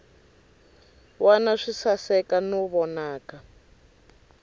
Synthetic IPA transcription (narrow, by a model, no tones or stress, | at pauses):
wanaʂisasɛkanɔβɔnaːka